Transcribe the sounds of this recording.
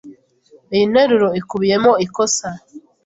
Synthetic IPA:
eineɾuɾo̞ikuβije̞moikosa

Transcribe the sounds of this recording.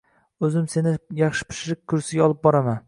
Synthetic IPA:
ɵzɪmse̞nɪjɑχʃɪ̥pʰɪ̥ʃɾɪk̚ʲkʰːʊɾsɪɡʲaɒlˠɪp̚bɒɾaman

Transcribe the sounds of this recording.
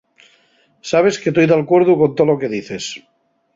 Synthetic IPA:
saβ̞e̞sket̪ojðalkweɾðukont̪olokeðiθes

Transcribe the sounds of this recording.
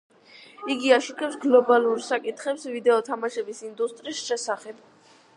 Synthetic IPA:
iɡiaʃukʰʼɛpsɡlɔbalˠuɾsakʼit̪χɛpsvid̪ɛɔt̪ʰamaʃɛbisind̪ust̪ʼɾiːsʃɛsaχɛb

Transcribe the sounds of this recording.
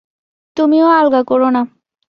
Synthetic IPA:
t̪umiõalɡakɔɾona

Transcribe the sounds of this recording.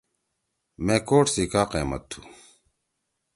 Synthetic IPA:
mẽːkoːʈsiːkaːqḛːmɐ̰t̪ʰːṵː

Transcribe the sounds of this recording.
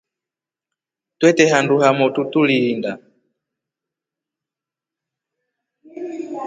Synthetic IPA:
twɛtɛɦanduhamɔtutulilinda

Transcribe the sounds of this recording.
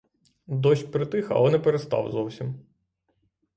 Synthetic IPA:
d̪ɔʃʲpɾɪt̪ɪxɐ̰lɔnɛpeɾest̪ɑ̰wzɔwsʲim

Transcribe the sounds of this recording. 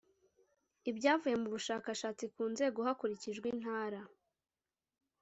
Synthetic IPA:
ibɟaːvuje̞muβuʃaːkaʃaːt͡sikuːnze̞ːɡo̞ɦakuɾiciʒɡwin̥haːɾa

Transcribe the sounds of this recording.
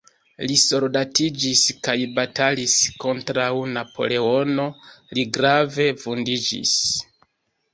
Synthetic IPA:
liso̞ɾdatid͡ʒiskajbatalisko̞ntɾawnapʰo̞̰le̞o̞no̞liɡɾave̞fundid͡ʒḭs

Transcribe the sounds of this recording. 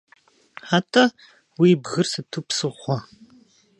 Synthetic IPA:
ħatʰɐ | wiːbɣɨrsɨtʰupsɨʁʷɔ

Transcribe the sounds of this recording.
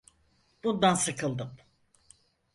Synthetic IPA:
b̥und̪ansɯkʰɯlˠd̪ɯm

